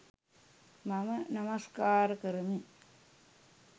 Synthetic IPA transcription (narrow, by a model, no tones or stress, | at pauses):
mɐmənɐmɐskaːɾɐkəɾmi